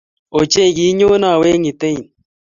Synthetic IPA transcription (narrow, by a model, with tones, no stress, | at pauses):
o˨t͡ʃe˦˨ɡi˨˦ɲo˦na˦˨we˦ŋi˨te˦i˨n